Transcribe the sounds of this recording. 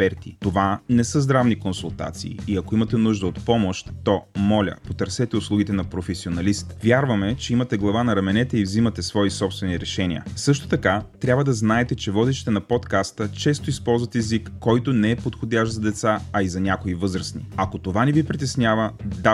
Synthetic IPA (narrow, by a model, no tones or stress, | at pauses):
pɛɾt̪it̪ovanɛsəzd̪ɾavnikonsulˠt̪a̰t̪sḭːɐkoimɐt̪ɛnuʒd̪əot̪pɔmoʃt̪ːɔmɔlʲə̰pot̪əɾsɛt̪ɛʊslˠuɡit̪ɛnɐpɾofɛsionɐlist̪vʲjaɾvɐmɛt͡ʃɛimɐt̪ɛɡlˠɐvanɐɾɐmɛnɛt̪ɛivzimɐt̪ɛsvɔisɔpst̪vɛniɾɛʃɛnʲḭə̰sɤʃt̪o̥t̪ɐkat̪ɾʲabvəd̪ɐznaɛt̪ɛt͡ʃɛvɔd̪iʃi̥t̪ɛnɐpɔt̪kast̪ət͡ʃɛst̪oispɔlˠzvɐt̪ɛzikːɔjt̪onɛːpot̪xod̪ʲaʃzɐd̪ɛt̪saɐizɐnʲakoivɤzɾəsnḭɐkot̪ovanɛvipɾit̪ɛsnʲavəd̪a